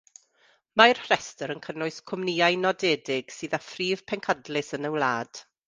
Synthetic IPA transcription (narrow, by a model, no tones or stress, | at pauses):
marhrɛstəɾənkʰənʊɨskʰʊmniːajnɔdɛːdɪɡ̥sɨːðafriːv̥pʰɛŋkʰadlɪsənəwlˠaːd̥